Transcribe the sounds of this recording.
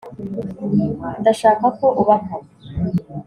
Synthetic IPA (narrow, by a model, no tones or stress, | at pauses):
nd̪aʃaːkako̞ʔuβakaɾ